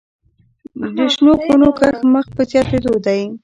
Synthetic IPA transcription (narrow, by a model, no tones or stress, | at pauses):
d̪əʃnoxonokaxməxpəzjɑt̪ed̪od̪aj